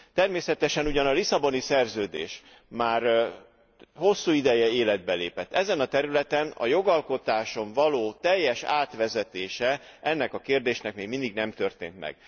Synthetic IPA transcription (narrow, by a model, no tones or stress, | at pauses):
t̪ɛrmeːsɛt̪ɛʃɛnuɟɒnɒlisɒbo̞nisɛrzøːd̪ḛːʃ | maːr | ho̞sːuːid̪ɛjɛeːlɛd̪̚bɛleːpɛt̪ːɛzɛnɒt̪ɛɾylɛt̪ɛnɒ̰jo̞ɡɒlko̞t̪aːʃo̞ɱvɒloːt̪ɛjːɛʃaːt̪ʋɛzɛt̪eːʃɛʔɛnːɛkɒkeːrd̪eːʃnɛkmeːɡmind̪iɡnɛmt̪ø̞rt̪ḛːnt̪mɛ̰ɡ̥